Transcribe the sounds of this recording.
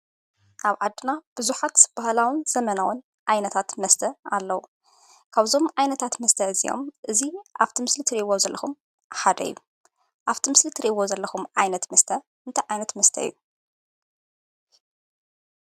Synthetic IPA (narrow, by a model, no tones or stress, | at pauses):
ʔaβʕad̪ːɨnab̥ɨzuħat̪b̥ahlawɨnz̥ɐmɐnawʊn | ʕajnɐt̪ʰat̪mɐst̪ʰɐalːɐwu | kʰaβzo̞mʕajnɐt̪ʰat̪mɐst̪ʰɐɨzḭjo̞̰mʔɨziʔaft̪ʰimɨslit̪ʰɨɾiwozɐlːʔɐxum | ħad̪ɐ̰ɨjːu | ʔaβt̪ʰimɨslit̪ʰɨɾiwozɐlːɐxumʕajnɐt̪mɐst̪ʰɐ | ɨnt̪ʰɐʕajnɐt̪mɐst̪ʰɐ̰ɨ̰jːu